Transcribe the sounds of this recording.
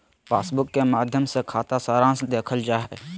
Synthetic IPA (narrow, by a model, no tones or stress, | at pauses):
paːsbʊkːemaːd̪ʱjəmsekʰaːt̪asaːɾãːsd̪eːkʰəld͡ʒaːɦɛ